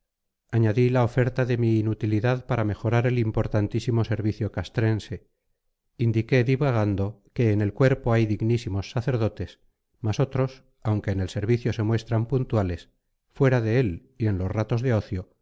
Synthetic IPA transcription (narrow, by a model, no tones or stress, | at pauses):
aɲaðilao̞fe̞ɾt̪aðe̞miːnut̪iliðaðpaɾame̞xo̞ɾaɾe̞limpo̞ɾt̪ant̪isimo̞se̞ɾβiθjo̞kast̪ɾe̞nse̞ | ind̪ike̞ðiβaɣ̞and̪o̞ke̞ːne̞lkwe̞ɾpo̞ajðiɣnisimo̞sːaθe̞ɾðo̞t̪e̞s | maso̞t̪ɾo̞s | awŋke̞ːnelse̞ɾβiθjo̞se̞mwe̞st̪ɾampunt̪wale̞s | fwe̞ɾaðe̞el | ie̞nlo̞srat̪o̞zðe̞o̞θjo̞